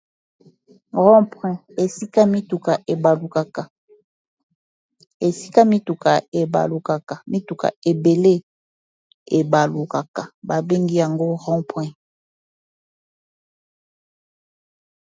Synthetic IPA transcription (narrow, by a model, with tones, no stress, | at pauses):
ʁɔ̃˦pwɛ̃˦e˨si˦ka˦mi˦tu˨ka˨ʔe˨ba˨lu˨ka˨ka˨ | e˨si̥˦ka˦mi˦tu˨ka˨e˨ba̰˨lu˨ka˨ka˨mi˦tu˨ka̰˨e˨be˨le˦ | e˨ba˨lu˨ka˨ka˨ba˨be˦ŋɡi˦ja˨ŋɡo˦ʁɔ̃˦pwɛ̃˦